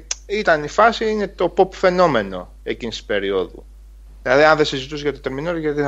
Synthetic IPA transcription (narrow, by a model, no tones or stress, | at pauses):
it̪ɐnifɐsiine̞t̪o̞popfe̞no̞me̞no̞̰ | e̞cinisi̥spe̞ɾioðṵ | ðilɐðiɐnðesizit̪us̬ʝɐt̪ot̪e̞ɾminoɾʝɐt̪i